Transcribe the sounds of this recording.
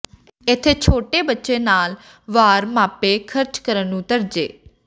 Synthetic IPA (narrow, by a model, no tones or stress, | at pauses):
ɪt̪ʰːeːt͡ʃʰoːʈeːbətːʃeːnaːl | ʋaːɾmaːpeːkʰəɾt͡ʃkəɾənːũːt̪əɾd͡ʒḛː